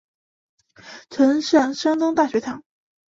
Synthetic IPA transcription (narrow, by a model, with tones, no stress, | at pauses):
ʈ͡ʂʰə˧˥nʂɑ˥˩ŋʂɑ˥ŋt̪ʊ˥ŋt̪a˥˩ɕɥɛ˧˥t̪ʰɑ˧˥ŋ